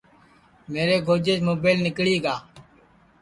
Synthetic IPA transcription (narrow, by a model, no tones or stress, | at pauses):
meːɾeːɡʱoːd͡ʒeːd͡ʒmoːbeːlnɪkɽiːɡaː